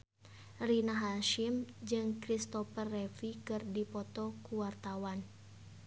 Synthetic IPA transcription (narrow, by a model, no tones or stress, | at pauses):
rinaɦaʃimd͡ʒɨŋkɾist̪ɔfərːɛfikɨrdipɔt̪ɔkuwart̪awan